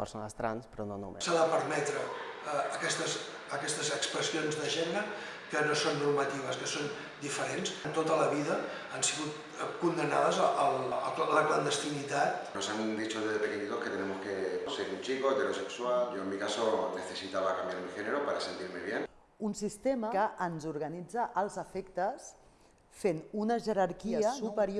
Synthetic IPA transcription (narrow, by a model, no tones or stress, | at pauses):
pəɾsonast̪ɾanspɾononomsaðəpəɾmɛt̪ɾəː | kɛst̪əzː | kɛst̪əzəkspɾəsionzðəʒenəɾə | kənosonːuɾmət̪iβ̞əskəson | d̪ifəɾensnt̪ot̪ələβiðə | ansiɣut̪ | kund̪ənað̞əzəʔəlˠləklənd̪əst̪init̪at̪nosand̪it͡ʃoðeðefeniniðosket̪enemoskeoseɾunt͡ʃikoet̪eɾosekswaljoemːikasoneθesit̪aβakambjaɾmixeneɾopaɾasent̪iɾmeβjen | unsist̪eməkəʔənzuɾɣənid͡zəʔəlˠzəfekt̪əs | fenunəʒəɾaɾkiəəsupəɾj